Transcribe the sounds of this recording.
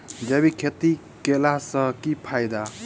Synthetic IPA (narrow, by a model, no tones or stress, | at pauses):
d͡ʒebikʰet̪i | kelasʌkipʰajd̪a